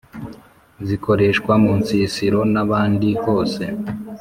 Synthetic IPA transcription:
ziko̞ɾe̞ʃkwamunsiːsiɾo̞naβaːndiho̞ːse̞

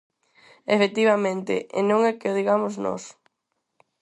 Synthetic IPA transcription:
efek̚t̪iβamẽnt̪ɪ̰ḛnõŋɛkeoðiɣamoznɔ̰s

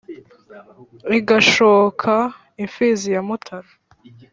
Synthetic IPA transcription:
iɡaʃokʰa | iɱfiːzijamutʰaɾa

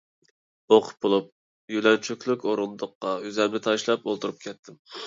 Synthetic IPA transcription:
oqʰʊ̥p̚b̥olˠup̚ | jylɛnt͡ʃʰykʲlˠykʲoɾund̪ʊqːɑyzɛlnɪt̪ʰɑʃlˠɑpolˠt̪uɾup̚kʲʰɛt̪ʰːɪm

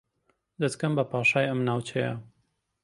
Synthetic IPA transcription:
d̪ɐt̪kɐmbɐpaːʃaːjɐmnaːwt͡ʃʰejɐ̰

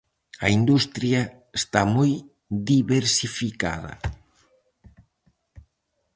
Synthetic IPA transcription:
ɐind̪ust̪ɾjɐ | est̪amoj | ðiβeɾsifika̰ðɐ̰

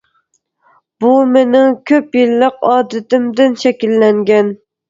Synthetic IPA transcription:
b̥umenɪŋkʲʰøpjɪlːɪqɒːd̪ɪt̪ɪmd̪ɪnʃɛkʲilːæŋɡʲɛn

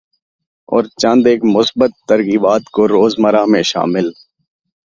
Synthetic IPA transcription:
ɔ̰ːɾt͡ʃə̃nd̪eːkmʊsbət̪ːəɾɣiːbaːt̪koɾoːzməɾaːmẽʃa̰ːmɪl

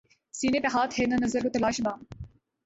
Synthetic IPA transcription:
siːnepeɦaːt̪henɐnɐzəɾkot̪ɐlaːʃbaː

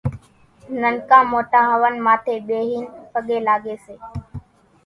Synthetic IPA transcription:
nəŋkãːmoːʈãːɦəʋənmaːt̪ʰeːɓeːɦiːnpəɠeːlaːɠeːseː

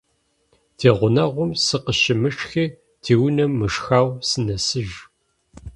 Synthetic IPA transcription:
tʰeːʁʷʊnɐʁʷʊmsɨqəʃɪmɨʂxiː | tʰiːwnɐmːɨʂxaːwsɨnɐsɨʒ

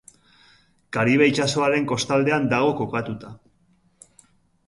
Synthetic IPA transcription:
kaɾiβ̞ejt͡ʃaso̞aɾe̞ŋko̞st̪ald̪e̞and̪aɣ̞o̞ko̞kat̪ut̪a

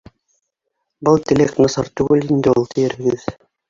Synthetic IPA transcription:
bɤlˠt̪ʲeleknɤsɑɾt̪ʉɡɘlind̪ɘulˠt̪ʰĭjɘ̆ɾɦɘ̆ɡɘð

